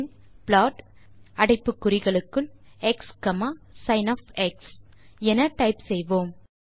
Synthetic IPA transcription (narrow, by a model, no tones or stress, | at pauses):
plaːʈ | ɐɽɐɪpːɯkːʊɾɪɣɐɭɯkːɯɭɛkskɐmaːsɐɪnɐfɛksɛnɐʈɐɪpsɛjʋoːm